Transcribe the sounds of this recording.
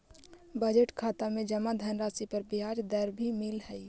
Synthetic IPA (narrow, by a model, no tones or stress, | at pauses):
bəd͡ʒeʈkʰaːt̪amẽd͡ʒəmad̪ʱənɾaːsipəɾbiɦad͡ʒd̪əɾbʱimɪlɦɛi